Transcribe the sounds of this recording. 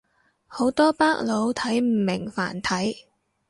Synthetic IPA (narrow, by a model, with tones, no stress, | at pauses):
ho˨˥wt̪ɔː˥paː˥k̚lo˨˧˥wt̪ʰɐ˨˥jm̩ː˨˩mɪ˨˩ŋfa̰ː˨˩nt̪ʰɐ˨˥j